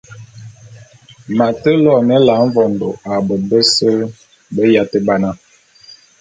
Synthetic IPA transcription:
ma˨tə˦lɔ˦˨nə˦la˨˦ɱ˦vɔ˨ndo˨a˨bə˨bə˦sə˦ | bə˦ja˦tə˦ba˦na˦

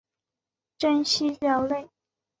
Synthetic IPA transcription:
ʈ͡ʂə˥nɕi˥ljɑ˧˥ʊle˥˩ɪ

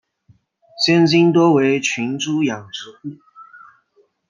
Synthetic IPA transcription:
ɕjɛ˥nt͡ɕi˥nt̪wɔ˥we˧˥ɪt͡ɕʰy˧˥nʈ͡ʂu˥jɑ˨˩ŋʈ͡ʂ̩˧˥u˥˩

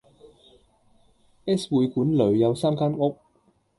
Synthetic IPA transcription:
ʔɛː˥swuː˨˧jkuː˨˥nlɵ˨˩ɥjɐ˨˧wsaː˥mkaː˥nŋʊ˥k̚

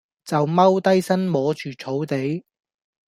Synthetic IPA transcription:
t͡sɐ˨wmɐ˥wt̪ɐ˥jsɐ˥nmɔː˨˥t͡ʃyː˨t͡sʰo˨˥wt̪e˨˥j

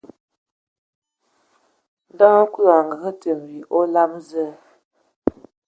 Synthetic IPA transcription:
da˦ŋ˦ku˦la˨ŋ˨ɡə˨ɣə˦tə˨m˨wi˨ʔo˦la˦mzə˦˨

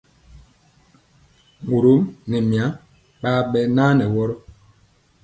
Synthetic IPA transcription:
mu˨ɾu˨˦mnɛ˨mja˨˦ | ɓaː˦ɓɛ˦naː˦nɛ˨wɔ˦ɾɔ˦

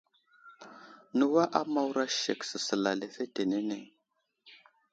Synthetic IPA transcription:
nə˦wa˦ʔa˦ma˦wɾa˦ʃḛ˨ksə˨sə˨la˨le˨fe˦te˨ne˦ne˨

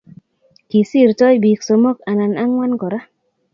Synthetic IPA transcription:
ki˨si˦˨ɾtɔ˦jbi˨kso˨mo˦ka˨na˨na˦ŋwa˦nkɔ˨ɾa˦

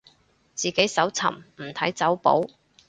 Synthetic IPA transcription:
t͡siː˨ke˨˥jsɐ˨˥wt͡sʰɐ̰˨˩mm̩˨˩t̪ʰɐ˨˥jt͡sɐ˨˥wpo̰˨˥w

